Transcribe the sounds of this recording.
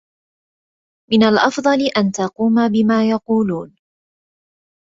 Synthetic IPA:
mɪnalʔɑfd̪ˤɑlɪʔant̪ɑquːmabɪmaːjɑquːluːn

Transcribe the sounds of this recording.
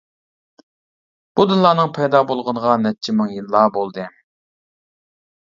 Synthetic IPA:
b̥ud̪ɨnlˠɑːnɨŋpʰɛjd̪ɑːbolˠʁənəʁɑnɛt͡ʃʰimɨŋjilˠːɑːbolˠd̪ɨ

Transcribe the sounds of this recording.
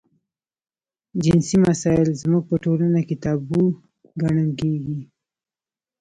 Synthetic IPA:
d͡ʒɪnsimasɑjɪlzmuɡ̚pəʈolanaket̪ɑbu | ɡaɳəkeɡi

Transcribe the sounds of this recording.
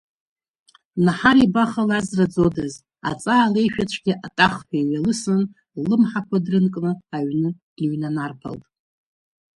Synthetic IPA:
naħaɾibaχalazrad͡zodaz | a̰t͡sʼaːle̞jʃᶣat͡ʃʷʰɡ̥ʲiʔatʼaχħajɥalɨsɨn | lɨmħakʷʰadrɨnkʼnɨaɥnɨ | iɥnanarpʰa̰ltʼ

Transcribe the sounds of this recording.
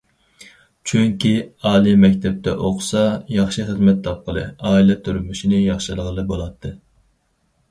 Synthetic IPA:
t͡ʃʰyŋkʲiɑːlˠijmɛkʲt̪ʰɛp̚t̪ʰɛ̰ʔoqsɑjɑχʃɨχəzmɛt̪ːʰɑp̚qʰəlˠɨ̰ɑːilˠɛt̪ʰyɾmyʃinɪjɑχʃɨlˠəʁəlˠɨbolˠɑt̪ʰːɨ

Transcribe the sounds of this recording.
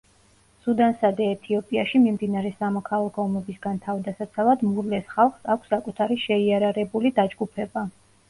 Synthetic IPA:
sud̪ansad̪ɛːt̪ʰiɔpʼiaʃimimd̪inaɾɛsamɔkʰalˠakʰɔɔmɛbisɡant̪ʰavd̪asat̪sʰalad̪muɾlɛsχalˠχsakʷʰsːakʼut̪ʰaɾiʃɛiaɾaɾɛbulid̪ad͡ʒɡupʰɛba

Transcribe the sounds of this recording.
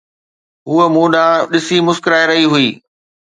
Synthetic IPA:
ɦuːəmũːɗãːɗɪsimʊskɾaːeɾɐɦiɦʊiː

